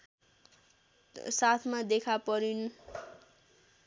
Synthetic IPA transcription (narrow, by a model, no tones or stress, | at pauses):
sat̪ʰmad̪ekʰapʌɾin